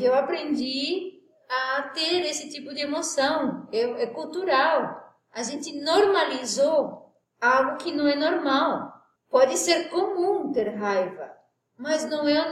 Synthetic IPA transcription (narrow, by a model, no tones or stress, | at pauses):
ewapɾẽnd̪i | at̪eɾesɪt̪ipʊd̪ɪemosɐ̃w̃ɛɛkult̪uɾaw | aʒẽnt̪ɪnoɾmalizo | alɡʊkɪnɐ̃w̃ɛnoɾmaw | pɔd̪ɪseɾkomũt̪eɾɦajvɐ | maznɐ̃w̃ɛ̃